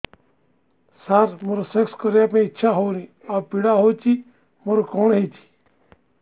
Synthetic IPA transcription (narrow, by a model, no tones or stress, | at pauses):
saːɾmoːɾosekskəɾjaːpẽɪtːʃʰaːɦoːnĩː | apiɽaɦoːt͡ʃi | moɾokoɳɦet͡ʃʰi̥ː